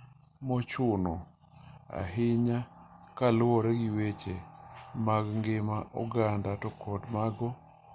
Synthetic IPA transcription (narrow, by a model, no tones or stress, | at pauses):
mɔt͡ʃʊnɔ | a̰ɦɪɲakalʊɔɾɛɡiwet͡ʃemaɡŋɡɪmaʔṵɡandatɔkʰɔdmaɡɔ